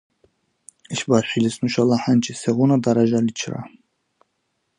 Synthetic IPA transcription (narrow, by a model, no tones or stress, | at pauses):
iʃbaʃilisnuʃalaħant͡ʃʼisɛɣunad̪aɾaʒalit͡ʃʰɾa̰